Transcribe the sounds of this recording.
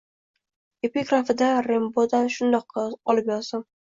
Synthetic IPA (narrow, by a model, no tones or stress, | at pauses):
epiɡɾafɪd̪aɾembod̪anʃʊnd̪ɒqːɑɒlɪpjɒɾsam